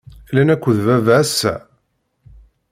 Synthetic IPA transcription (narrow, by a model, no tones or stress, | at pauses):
lænækʷːəðvævææsːæ̰